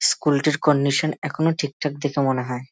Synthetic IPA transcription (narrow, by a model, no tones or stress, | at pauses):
skulʈiɾkɔnːiʃonɛkʰonoʈʰik̚ʈʰak̚d̪ekʰemoneɦɔe